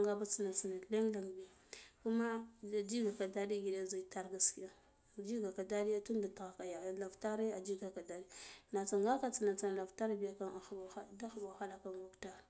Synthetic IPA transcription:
ŋɡa˦ba˦t͡si˨na˨t͡si˨na˨le˦ŋ˦la˨ŋ˨bi˨ | ku˦ma˦a˨d͡ʒi˦ɡa˨ka˨da˦di˦ɡi˨de˦za˨ta˦ɾɡa˨ski˦ja˨ | d͡ʒi˦ɡa˨ka˨da˦di˦a˦tu˦nda˨ta˨ɣa˨ka˨ja˨la˨vta˦ɾe˦a˨d͡ʒi˦ɡa˨ka˨da˦di˦na˨t͡sa˨ŋɡa˦ka˦t͡si˨na˨t͡sa˨n˨la˨vta˦ɾbi˨ja˨ka˦na˨o˨a˦da˦xbo˨xa˦la˨ka˦nwa˦kta˦ɾ

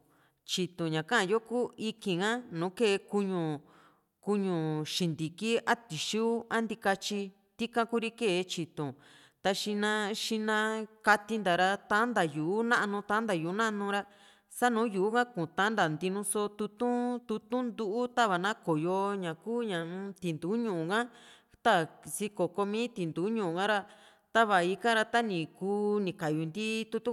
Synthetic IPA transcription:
t͡ʃi˨t̪ũ˨ɲã˨kã˦ʔã˧˨jo˦kuː˦i˧kĩ˨ŋã˦nũː˨˦ke˦˨˧ku˧ɲũ˧ | ku˧ɲũ˨ʃi˨nd̪i˨ki˦a˦t̪i˨ʃu˦a˦nd̪i˧ka˧t͡ʃi˧ | t̪i˦kã˧ku˦ɾi˦ke˦˨˧t͡ʃi˨t̪õ˨ | t̪a˧ʃi˧nã˧ʃi˧nã˧ka˧t̪i˧nd̪a˨ɾa˧t̪ã˦nd̪a˨juː˨˦nã˦ʔnũ˧t̪ã˦nd̪a˨juː˨˦nã˦ʔnũ˧ɾa˦ | sa˦nũː˨˦ju˨u˦kã˦kũ˨t̪ã˧˦nd̪a˨nd̪i˧nũ˧so˧t̪u˧t̪ũ˦t̪u˧t̪ũ˦nd̪u˦ʔu˦t̪a˦βa˨nã˦ko˨jo˧ɲã˨kuː˦ɲã˨˦t̪i˨nd̪uː˨˦ɲũ˨ũ˨kã˦ | t̪a˦si˧ko˨ko˧mĩː˦t̪i˨nd̪uː˨˦ɲũ˨ũ˨kã˦ɾa˧ | t̪a˦βa˨i˧kã˦ɾa˧t̪a˦nĩ˨kuː˦nĩ˨ka˨ju˨nd̪i˦t̪u˧t̪ũ˦

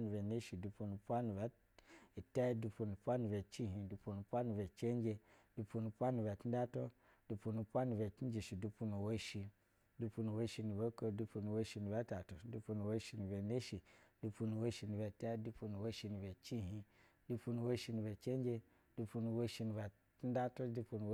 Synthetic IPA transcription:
nu˨be˨ne˦ʃi˨du˧pu˧nu˨˦pʷa˦nu˨va˦ | i˨ta˦du˧pu˧nu˨pʷa˦nu˨be˨t͡ʃi˦ɦĩ˧du˧pu˧nu˨˦pʷa˦nu˧˨ve˨t͡ʃe˦n˦d͡ʒe˧du˧pu˧nu˧˨pʷa˦nu˨ba˨ti˦a˦to˦ | du˧pu˧nu˨˧pʷa˦nu˧˨be˨ti˦n˦d͡ʒi˨ʃi˨du˧pu˧nu˨wo˦ʃi˧ | du˧pu˧nu˨wo˦ʃi˧nu˨be˦ko˦˧˨du˧pu˧nu˨wo˦ʃi˧nu˨ba˨˦ta˨to˨du˧pu˧nu˨wo˦ʃi˧nu˨be˨ne˦ʃi˨du˧pu˧nu˨wo˦ʃi˧nu˨be˨ta˦du˧pu˧nu˨wo˦ʃi˧nu˨be˨t͡ʃi˦˨ɦi˧ | du˧pu˧nu˨wo˦ʃi˧nu˨be˨t͡ʃe˦n˦d͡ʒe˧ | du˧pu˧nu˨wo˦ʃi˧nu˨va˨ | ti˦da˦to˦du˧pu˧nu˨˦

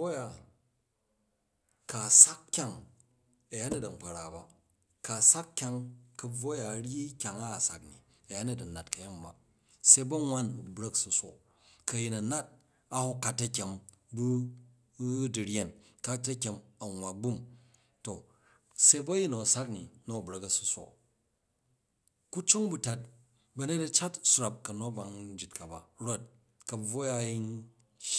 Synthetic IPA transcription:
o˦ja˨ | ka˨sa˦kkʲa˦ŋ | ɐ˨ja˦ni˦dɐ˨ŋ͡m̩˨k͡pa˨ɾa˨ba˨ | ka˨sa˦kkʲa˧ŋkɐ˨b͡vo˦ja˨ɾi˦kʲa˨ŋa˦˨sa̰˨knḭ˨ | ɐ˨ja˦ni˦˨dɐ˨na˨tkɐ˨ja˦m˨ba̰˨ | se˦bɐ˦ŋʷa˦n˨bɾɐ˦ksu˨sʷo˨ | kɐ˨ji˨nɐ˨na˦t̚ | a˦hu˦ka˨tɐ˦kʲe˨m | bu˦ | di˨ɾʲe˨n | ka˦tɐ˦kʲe˨mɐ˨ŋʷwa˨ɡ͡bu˦m | to˨ | se˦bɐ˦ji˦no˨sa˦kni˨no˦˨bɾɐ˨kɐ˨su̥˨sʷo̰˨ | ku˦t͡ʃo˦ŋbu˨ta˦t̚ | bɐ˦ne˦tɐ˦t͡ʃa˦tsu˦ɾa˨p̚kɐ˨no˦ba˨ŋn˦d͡ʒi˨tka˨ba̰˨ɾo˦t̚ | kɐ˨b͡vo˦ja˦ji˦n

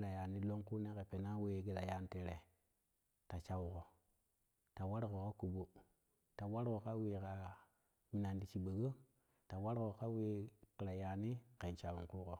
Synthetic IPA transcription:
ɾa˨ja˨ni˦lo˦ŋku˦ne˦ke˨pe˨na˦we˦˨˦ɡi˨ɾa˨ja˦n˦te˨ɾe˨ | ta˨t͡ʃa˨wko˨ | ta˨wa˦ɾko˨ka˦ku˨bo˦ | ta˨wa˦ɾko˨ka˦we˨ka˨ | mi˨na˨ndi˨t͡ʃi˨ɓə˨ɡo˦ | ta˨wa˦ɾko˨ka˦we˦ki˨ɾa˨ja˨ni˦ke˨nt͡ʃa˨wu˨ŋku˦ko˨

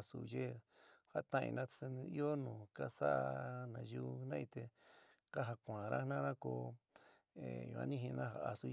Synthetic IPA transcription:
su˨je˦ha˦t̪ã˦ḭ̃˧nã˦˧i˦o˦nũː˨ka˦sa̰˦ʔnã˧ju˦˧nã˦ĩ˧t̪e˧ | ka˦ɦa˧kʷã˨˧ɾa˦nã˦ɾã˦ko˧ | ḛ˨jṵ̃˨˧ã̰˧nĩ˦ɦĩ˧nã˦ɦa˧˨ʔa˧su˧

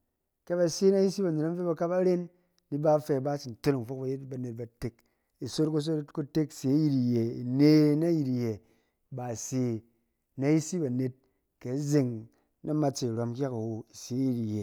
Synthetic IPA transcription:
ke˦ba˨se˦na˦ji˦si˦ba˨ne˨ta˦m˦e˦ba˨ka˦pa˦ɾe˦nː | i˦ba˦fe˧˨ba˦t͡ʃi˨n˨to˦ni˨ŋ˨fo˦k̚ba˨je˦tba˨ne˨t̚ba˨te˦k | i˨so˦tku˦s̬o˦tku˦te˦kse˨˦ji˦ti˨je˨i˨ne˦na˦ji˨ti˨je˨ | ba˨se˨ | na˦ji˦si˦ba˨ne˨t̚ | ke˨˦ze˨ŋ | na˦ma˦t͡ʃe˨ɾa˨m˦kʲa˦ka˨wo˨i˨se˨˦ji˦ti˨je˨

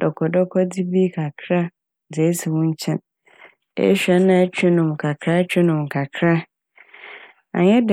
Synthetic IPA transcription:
ɔ˨kʰɔ˨dɔ˦kʰɔ˦di˦bi˦kʰa˨kʰɾa˦˨ | d͡ze˨˦si˨wʊ̃˦ɲ̩˦t͡ɕʰɛ̃˦n | ḛ˦ɕᶣɛ˦nã˨ɛ˦t͡ɕᶣɪ˦nʊ̃˨m˨kʰa˨kʰɾa˦t͡ɕᶣɪ˦nʊ̃˨m˨kʰa˨kʰɾa˦ | a̰˨ɲɛ˦d

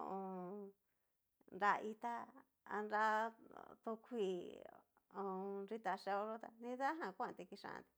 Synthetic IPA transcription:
o̰˧ʔõ˧ | nɾa˧ʔi˧t̪a˦ | a̰˧nɾa˧ | t̪o˧kʰʷi˧˨ | õ˧ɾi˦t̪a˧ʂe˧o˧ɾo˦t̪a̰˧nĩ˧ða˦ɦã˧˨kʷã˦˧t̪i˧ki˧ʂã̰˧ã̰˧nt̪i̥˧

